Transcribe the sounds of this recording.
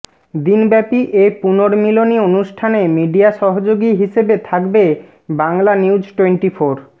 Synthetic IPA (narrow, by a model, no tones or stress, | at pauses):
d̪inbɛpiʔepunoɾmilonionuʃʈʰanemiɖiaʃɔɦod͡ʑoɡiɦiʃebet̪ʰakbe | baŋlaniud͡ʑʈweɳʈifoɾ